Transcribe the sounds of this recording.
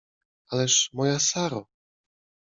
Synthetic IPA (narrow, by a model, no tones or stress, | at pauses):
alɛʂmɔjasaɾɔ